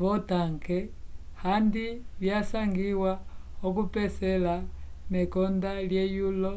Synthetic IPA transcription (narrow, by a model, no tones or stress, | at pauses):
βɔtaŋɡɛhandiβjasaŋɡiwaɔkupɛsɛlanɛkɔndaljɛjulɔ